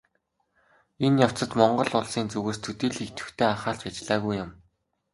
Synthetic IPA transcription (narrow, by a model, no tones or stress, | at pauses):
enjaw̥t͡sə̆t̪mɔɴɢɞ̆ɮʊɮsiːnt͡sɵɣeːst̪ʰɵt̪iːɮxikt̪ɘ̥̆xt̪ʰeːaχaːɬt͡ɕat͡ɕɮaːɣujːʊm